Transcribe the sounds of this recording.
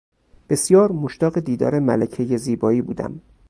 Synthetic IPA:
b̥e̞sjɒːɾmoʃt̪ɒːɣed̪iːd̪ɒ̰ːɾe̞mælæcʰejeziːbɒːiːbuːd̪æ̰m

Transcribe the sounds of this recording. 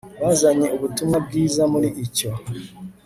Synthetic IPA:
βazaɲeʔoβutumabɡiːzamuliʔːco

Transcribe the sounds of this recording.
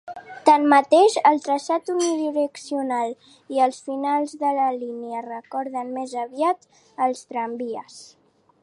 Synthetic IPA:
t̪anmət̪eʃəlˠt̪ɾəʃat̪uniðiɾəksiunalˠ | iəlˠsfinalˠzðələliniərəkɔɾðənmezəβiat̪ | əlˠst̪ɾəmbiəs

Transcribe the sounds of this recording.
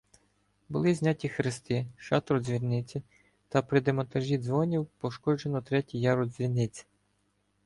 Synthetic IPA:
bʊlˠɪzʲnʲatʲixɾɪst̪ɪʃɑt̪ɾɔzʲʋʲirnɪt͡sʲi | t̪ɐpɾɪd̪emɔnt̪ɐʒʲid̪zʋɔnʲiwpɔʃkɔd͡ʒenɔt̪ɾɛtʲijɑɾɔd̪zʲʋʲinɪt͡sʲi̥

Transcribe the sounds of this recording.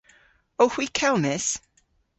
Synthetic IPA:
owhwikʰɛlˠmɪs

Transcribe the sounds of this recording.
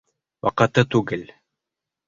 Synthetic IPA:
wɑ̰qɑ̆t̪ɤt̪ʉɡɘl

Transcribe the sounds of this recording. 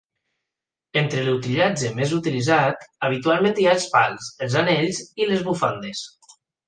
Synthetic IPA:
ent̪ɾelut̪iʎad͡ʒemezut̪ilizat̪aβ̞it̪ualˠmẽnt̪iaəlˠspalˠzəlˠzaneʎzilezβufand̪es

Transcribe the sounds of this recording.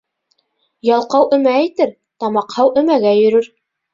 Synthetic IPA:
jɑlˠqɑwʔɘ̆mæːjt̪ɘɾ | t̪ɑmɑqhɑwʔɘ̆mæɡæjɵ̆ɾɵɾ

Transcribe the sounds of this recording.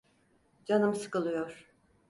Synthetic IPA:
d͡ʒanɯmsɯ̥kɯlˠɯjoɾ̥

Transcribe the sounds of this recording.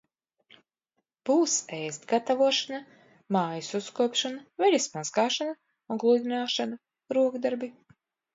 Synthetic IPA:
b̥uːsɛjst̪ɡat̪avuɔʃana | maːjususkuɔpʃanavɛʎʲismazɡaːʃana | ũŋɡlˠud̪ʲinaːʃana | ɾuɔɡd̪aɾbi

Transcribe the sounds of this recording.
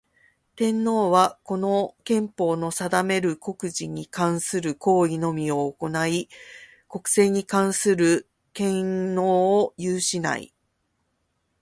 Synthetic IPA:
t̪ẽ̞nːo̞ːβako̞no̞kẽ̞mpo̞ːno̞sad̪ame̞ɾɯ̟ko̞kɯ̟ʑiɲ̟ikãɰ̃sɨɾɯ̟ko̞ːino̞mʲio̞ːko̞nai | ko̞kɯ̟̥se̞ːɲ̟ikãɰ̃sɨɾɯ̟ | kẽ̞noːjɯːɕina̰ḭ

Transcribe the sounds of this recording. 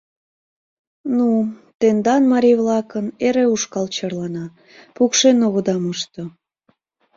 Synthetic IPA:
nut̪end̪ɑnmɑɾʲijβlɑkəneɾeuʃkɑlt͡ɕɑrlɑnɑ | pukʃenoɣəd̪ɑməʃt̪o

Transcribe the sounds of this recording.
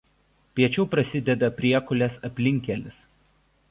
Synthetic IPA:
pʲiɛt͡ʃʲɛʊpɾɐsʲɪd̪ʲɛd̪ɐpʲɾʲiɛkʊlʲɛsɐpʲlʲɪŋʲkʲɛlʲɪs

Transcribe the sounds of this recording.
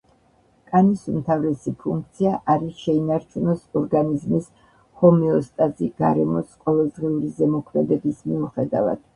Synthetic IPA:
kʼanisumt̪ʰavɾɛsipʰuŋk̚ʰt̪sʰiaʔaɾiʃɛinaɾt͡ʃʰunɔsɔɾɡanizmis | hɔmɛɔst̪ʼaziɡ̥aɾɛmɔsqʼɔvɛlˠd̪ʁiuɾizɛmɔkʰmɛd̪ɛbismiuχɛd̪a̰va̰d̪̥

